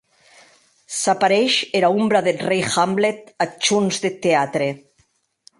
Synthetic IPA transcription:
sapaɾeʃeɾaumbɾaðelrejxamblet̪at͡ʃunzðet̪eat̪ɾe

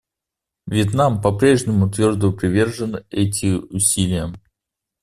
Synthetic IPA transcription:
vʲɪt̪nampɐpɾʲe̞ʐnʲɪmʊt̪vʲo̞rd̪əpɾʲɪvʲe̞rʐɨnɨɛt̬ʲɪʊsʲilʲɪjə

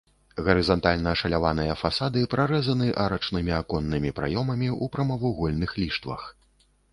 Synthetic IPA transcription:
ɣɐɾɨzant̪alʲnɐːʂɐlʲavanɨjɐfasad̪ɨpɾaɾɛzɐnɨʔaɾɐt͡ʂnɨmʲiakɔnːɨmʲipɾa̰jɔmɐmʲiupɾɐmɐvuɣɔlʲnɨxlʲiʂt̪vɐ̰x

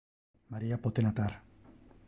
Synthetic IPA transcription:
maɾiapot̪enat̪aɾ

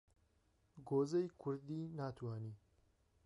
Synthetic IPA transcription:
ɡoːzejkʰʊɾd̪iːnaːt̪ʰwaːniː

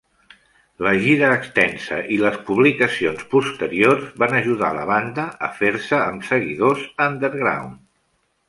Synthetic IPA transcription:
ləʒiɾəːkst̪ɛnsə̰ʔiləspuβ̞likəsionspust̪əɾiorzβanəʒuða̰lə̰β̞and̪əəfeɾsəːmsəɣiðozand̪əɾɣɾa̰wn

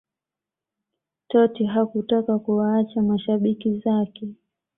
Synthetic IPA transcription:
tɔtiɦakutakakuwaat͡ʃamaʃaɓikizakɛ

